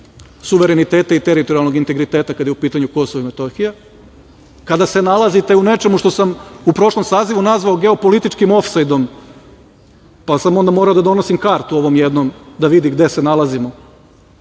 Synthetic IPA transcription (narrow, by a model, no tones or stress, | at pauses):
suʋe̞ɾenit̪eːt̪ait̪e̞ɾit̪oɾialno̞ɡint̪e̞ɡɾit̪eːt̪akad̪jupiːt̪aɲuko̞soʋaimet̪o̞xija | kad̪ase̞nalˠazit̪e̞une̞t͡ʃe̞muʃt̪o̞samupɾo̞ʃlˠo̞msaːziʋunazʋaoɡe̞opolit̪it͡ʃkimo̞fsajd̪o̞m | pasamo̞nd̪amo̞ːɾaod̪ad̪o̞no̞simkaːɾt̪uo̞ʋo̞mjed̪no̞md̪aʋid̪iɡd̪e̞senalˠazimo